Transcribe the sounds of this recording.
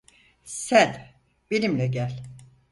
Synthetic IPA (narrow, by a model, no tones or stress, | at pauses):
sæn | benimlʲɛɟælʲ